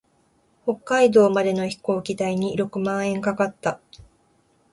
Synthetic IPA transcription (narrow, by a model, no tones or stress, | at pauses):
ho̞kːaid̪o̞ːmad̪e̞no̞çi̥ko̞ːkʲit̪aiɲ̟iɾo̞kɯ̟mãɰ̃ẽ̞ŋkakat̪ːa